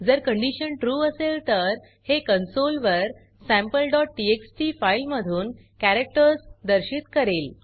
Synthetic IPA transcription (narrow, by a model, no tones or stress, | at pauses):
d͡zəɾkəɳɖiɕənʈɾuːəselt̪əɾ | hekənsolʋəɾ | sæ̃mpəlɖɔʈ̚ːieksʈifajlməd̪ʱuːn | kæɾek̚ʈəɾsd̪əɾɕit̪kəɾel